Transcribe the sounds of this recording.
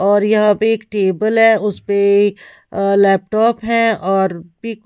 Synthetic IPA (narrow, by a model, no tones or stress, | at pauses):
ɔːɾjɐɦãpeːkʈeːbəlɦɛ̃ʊspe | lɛːp̚ʈɔːpɦɛ̃ɔːɾbik